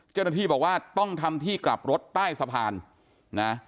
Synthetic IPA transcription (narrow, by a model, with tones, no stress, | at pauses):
t͡ɕaː˥˩wna˥t̪ʰiː˥˩bɔː˨˩k̚waː˥˩t̪ɔ˥˩ŋt̪ʰa˧mt̪ʰiː˥˩kla̰˨˩p̚ɾo˦˥t̪ːaː˥˩jsa˧pʰaː˧nː | a˦˥